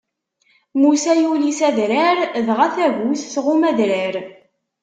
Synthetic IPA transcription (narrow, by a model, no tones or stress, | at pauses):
musæjulisæðɾəɾðʁæθæʝuθsʁʊmæðɾəɾ